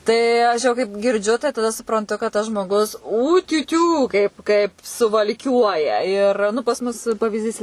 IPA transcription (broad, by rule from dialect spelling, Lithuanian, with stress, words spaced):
ˈtɐɪ ˈɐʃ jɛʊ kɐɪp ɡʲɪrʲˈd͡ʒʲʊ tɐɪ tɐˈdɐ sʊprɐnˈtʊ kɐt ˈtɐs ʒmoːˈɡʊs ˌuːtʲʊˈtʲuː ˈkɐɪp kɐɪp sʊʋɐlʲˈkʲuɔjɛ ɪr ˈnʊ pɐs ˈmʊs pɐʋʲɪzʲˈdʲiːs